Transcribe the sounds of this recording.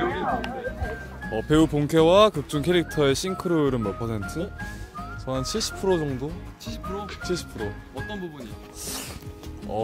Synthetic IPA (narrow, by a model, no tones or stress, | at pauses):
ʌpʰe̞upoŋkʰewakɯk̚t͡ɕ͈uŋkʰeɾik̚tʰʌe̞ɕʰinkʰɯɾoɾɯnmʌpʰʌsʰe̞ntʰɯ | t͡ɕʌɦant͡ɕʰiɭɕ͈ʰi̥pʰɯɾod͡ʑʌŋdo | pʰot͡ɕʰiɭɕʰi̥pʰɯɾo | t͈ʌnbubuɲi | ʌ